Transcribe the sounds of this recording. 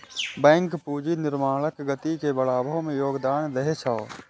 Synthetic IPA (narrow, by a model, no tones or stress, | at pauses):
bɛ̃ːŋkpuːd͡ʒinɪɾmaːləkɡət̪ikebəlaːbʱõmẽjoːɡd̪aːnd̪ɐɦet͡ʃʰaː